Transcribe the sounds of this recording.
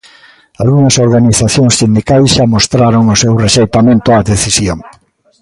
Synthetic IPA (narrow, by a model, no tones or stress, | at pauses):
alɣuŋɐsoɾɣaniθaθjoŋssind̪ikajsʃamost̪ɾaɾoŋʊsewreʃejt̪amẽnt̪ʊaðeθisjoŋ